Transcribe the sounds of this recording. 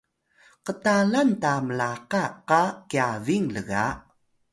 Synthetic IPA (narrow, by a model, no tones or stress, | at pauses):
qətalantaməlaqaqakiaviŋləɣa̰